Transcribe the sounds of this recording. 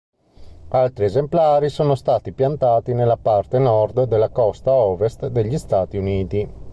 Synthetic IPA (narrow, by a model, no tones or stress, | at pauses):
alt̪ɾiezemplaːɾisoːnost̪aːt̪ipjant̪aːt̪inelːapart̪enɔrd̪d̪elːakɔst̪aɔːvest̪d̪eʎːist̪aːt̪iuniːt̪i